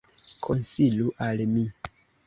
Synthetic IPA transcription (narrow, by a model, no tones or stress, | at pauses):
kʰɔnsiluʔalemĩ